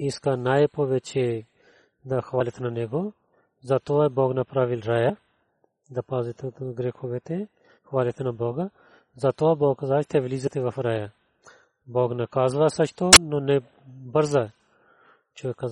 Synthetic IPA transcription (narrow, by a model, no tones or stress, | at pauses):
iskanaːjepoːʋet͡ʃʰe | d̪ɐxʋaːlit̪nɐneɡo | zat̪oaboːɡnɐpɾaːʋilɾaːja | d̪ɐpazit̪ɡɾeːxoʋet̪e | xʋaːlet̪nɐboːɡa | zɐt̪oaboːɡkɐzaːt͡ʃt̪eʋliːzɐt̪eʋɐfɾaja | boːɡnɐkaːzʋasɐt͡ʃʰt̪ononɛ | bəɾza | t͡ʃokɐ